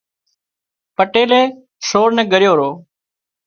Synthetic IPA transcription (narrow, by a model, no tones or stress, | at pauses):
pəʈeːleː | soːɾnɛ̃ːɡəɾɪjoːɾoː